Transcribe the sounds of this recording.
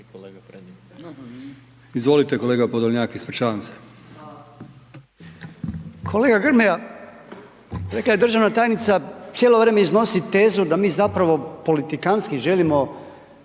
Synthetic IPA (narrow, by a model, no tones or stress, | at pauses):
izʋo̞lit̪eko̞leːɡapod̪oʋɲaːkeispɾt͡ʃaːanse̥ | kʰo̞le̞ːɡaɡr̩meja | ɾe̞klaje̞d̪rʒaʋnat̪aːjnit̪sat̪jelo̞ʋɾeːmeizno̞sit̪e̞ːzud̪amiːzapɾaʋo̞po̞lit̪ikanskiʒe̞limo̞